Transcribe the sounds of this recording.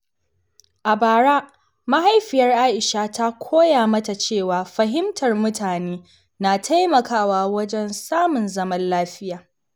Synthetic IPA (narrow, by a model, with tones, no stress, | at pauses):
ʔa˨baː˨ɽaː˦ | ma˦ha˦jɸɪ˨jɐ˦rʔaː˦ʔɪ˨ʃaː˦ta˦kʷʰoː˦jaː˨mɐ˦ta˨t͡ʃeː˦˨waː˨ɸɐ˨ɦɪ˦mtʰɐ˨rmʊ˦tʰaː˨neː˦ | naː˨tʰa˦jmɐ˨kaː˦waː˦wɐ˦d͡ʒɛ˦nsaː˦mʊ˨nzɐ˦mɐ˦nlaː˦ɸɪ˦jaː˨